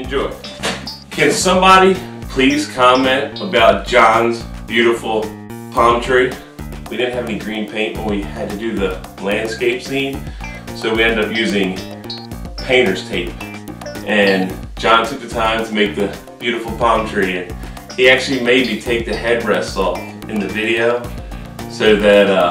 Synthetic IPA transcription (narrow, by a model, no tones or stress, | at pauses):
nd͡ʒʊɹ | kʰɨ̃nsʌ̃mbɑɾipʰl̥iz̥kʰɑmɛ̃ntəbaʊt̚d̥ʒ̥ɑ̃nzb̥jʉɾəfl̩ˠ | pʰɑ̃mtʰɹ̥i | widɪdⁿn̩t̚hɨvɛniɡɹĩnpʰẽɪ̃nʔmɨ̰̃nʔ̚wiɨd̚tɨdɨðɨ | læ̃nd̥skeɪpsĩnsoʊwiɛ̃ndɨdʌpjʉzɪ̃ŋ | pʰẽɪ̃ɾ̃ə˞z̥tʰeɪp | ʔɨ̃nd͡ʒɑ̃ntʰʊk̚ðɨtʰãɪ̃mtʰəmeɪk̚ðɨ | b̥jʉɾɨfl̩ˠpʰɑ̃mtʰɹ̥iɨ̃n | iæk̚t͡ʃʉl̩ˠimeɪd̚mitʰeɪk̚ðɨhɛd̚ɹɛsɔf | ɨ̃nðɨvɪɾioʊ | soʊðɨɾʌ